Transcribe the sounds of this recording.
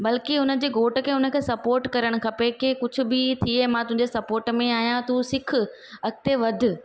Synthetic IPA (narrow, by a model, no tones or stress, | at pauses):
bɐlkiʊnə̆d͡ʑeːɡoːʈə̆kʰeːʊnə̆kʰeːsɐpoːɾʈkɐɾəɽ̃̆kʰɐpekekʊd͡ʑʱʊ̆bɪt̪ʰiemãːt̪ʊɦɪ̃ɲd͡ʑesɐpoːɾʈmẽaːɦijãt̪usɪkʰʊ̆ | ɐɡɪt̪eʋɐd̪ʱʊ̆